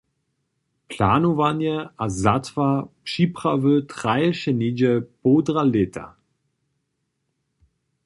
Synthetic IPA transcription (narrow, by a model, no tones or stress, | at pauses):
pʰlaːnovanjəazatvapʃipʁavøtʁajəʃənid͡ʒəb̥oːdʁaletʰa̰